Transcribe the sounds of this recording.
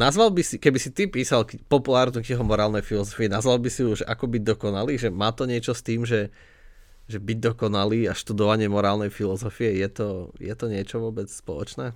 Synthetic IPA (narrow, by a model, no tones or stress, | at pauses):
nazʋalbisikɛbisit̪ipiːsalkpɔpulaːɾnukɛɦɔmɔɾaːlnɛjfilɔzɔfiinazʋalbisiuʒɛʔakɔbiɟ̚d̪ɔkɔnaliːʒɛmaːt̪ɔɲɪɛt͡ʃɔst̪iːmʒɛ | ʒɛbiɟ̚d̪ɔkɔnaliːaʃt̪ud̪ɔʋaɲɪɛmɔɾaːlnɛjfilɔzɔfijɛjɛt̪ɔjɛt̪ɔɲɪɛt͡ʃɔʋʊɔbɛt͡sspɔ̰lɔ̰t͡ʃnɛː